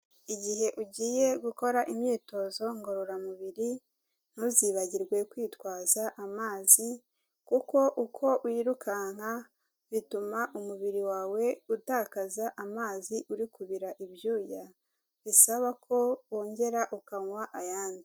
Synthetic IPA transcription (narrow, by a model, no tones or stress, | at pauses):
iɟiɦe̞ʔuɟiːjeɡuko̞ɾaʔimɲiːto̞zo̞ŋɡo̞ɾoɾamuβiɾi | n̥uziːβaɟiɾɡwe̞kwiːtwaːzaʔamaːzi | kuko̞ʔukʰo̞ʔuiːɾukʰaŋ̥ha | βitumaʔumuβiɾiwaːwe̞utaːkazaʔamaːziʔuɾikuβiɾaʔibjuːja | βisaβakʰo̞woːɲɟe̞ɾaʔukaŋwaʔajaːndi